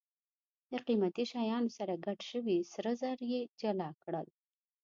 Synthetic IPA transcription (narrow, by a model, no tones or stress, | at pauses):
d̪əqimat̪iʃɑjɑnosaɾaɡaʈʃəwisɾəzaɾjed͡ʒalɑkɽəl